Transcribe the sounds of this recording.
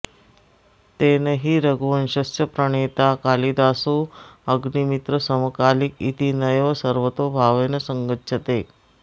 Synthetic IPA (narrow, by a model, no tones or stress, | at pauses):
t̪enəɦiːɾəɡuʋənɕəsjəpɾəɽ̃et̪akalid̪asuəɡnimit̪ɾəsəməkalikit̪inəjʋəsəɾʋət̪obʱaʋenəsəŋɡətːʃət̪e